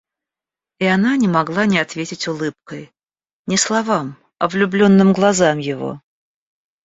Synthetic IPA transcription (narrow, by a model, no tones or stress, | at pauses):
ɪananʲɪmɐɡlˠanʲɪɐt̪vʲetʲɪtʲʊlˠɨp̚kəj | nʲɪslˠɐvam | ɐvlʲʊblʲo̞nːɨmɡlˠɐzamjɪvo̞̰